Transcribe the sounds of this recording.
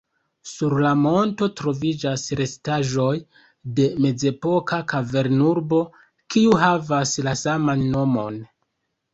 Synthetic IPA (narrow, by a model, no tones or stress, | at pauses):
suɾlamo̞nto̞tɾo̞vid͡ʒasɾe̞staʒo̞j | de̞me̞ze̞po̞kakave̞ɾnuɾbo̞ | kiuɦavaslasamanːo̞mo̞̰n